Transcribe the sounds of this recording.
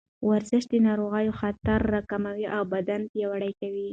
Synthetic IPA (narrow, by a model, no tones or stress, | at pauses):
waɾzɪʃd̪ənɑɾoɣɑjoxat̪aɾːakamawiʔawbad̪anpjawaɽajkawi